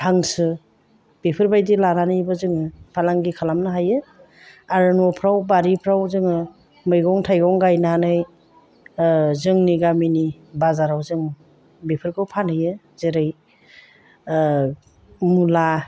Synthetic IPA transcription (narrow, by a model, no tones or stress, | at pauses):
hʰaŋsɯ | b̥epʰɯɾbajdilananɯjbɯzɯŋɯpʰalaŋɡikʰalamnɯɦajɯ | aɾɯnɔpʰɾawbaɾipʰɾawzɯŋɯ | mɯjɡɔŋtʰajɡɔŋɡajnanɯj | zɯŋniɡaminibazaɾawzɯŋ | bepʰɯɾɡɯwpʰanɯjɯ | zeɾɯj | mula